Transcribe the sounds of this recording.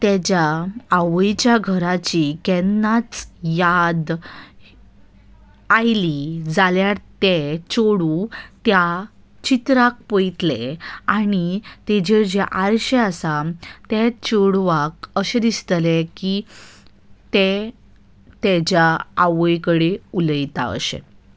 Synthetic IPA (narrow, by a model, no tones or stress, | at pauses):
t̪ed͡ʑjaːʋəjt͡ɕjaɡʱəɾat͡ɕikɛnːat͡sjad̪ | ajlid͡zaljaɾt̪et͡ɕoɽũt̪ja | t͡ɕit̪ɾak̚pəjt̪leañit̪ed͡ʑeɾd͡ʑeʔaɾɕeasat̪ɛt͡ɕoɽʋakəɕed̪ist̪leki | t̪e | t̪ɛd͡ʑjaːʋəjkəɽeuləjt̪a̰ə̰ɕḛ